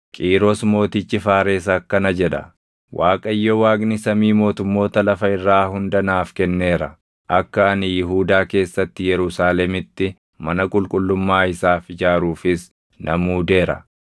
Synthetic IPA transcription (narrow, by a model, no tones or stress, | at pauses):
kʼiːɾɔsmo̞ːt̪ɪt͡ʃːɪfaːɾeːs̬ɐkːɐnɐd͡ʒɛᶑɐ̰ | wʔaːkʼɐɪjːowaːɡnɪsɐmiːmo̞ːt̪ʊmːo̞ːt̪ɐlɐfɐɪrːaːhʊnd̪ɐnaːfkɛnːe̞ːɾɐ̰ | ʔɐkːɐɐnɪjɪɦuːd̪aːke̞ːsːɐt̪ːɪjɛɾʊsaːlɛmɪt̪ːɪ | mɐnɐkʼʊlkʼʊlːʊmːaːɪsaːfɪd͡ʒaːɾuːfɪs | nʔɐmuːd̪e̞ːɾɐ̰